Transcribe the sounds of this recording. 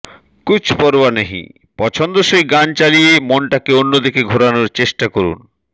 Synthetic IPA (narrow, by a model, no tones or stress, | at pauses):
kut͡ɕʰpɔɾbaneɦḭ | pɔt͡ɕʰond̪oʃejɡant͡ɕaliemonʈakeonːod̪ikeɡʱoɾanoɾt͡ɕeʃʈakoɾṵn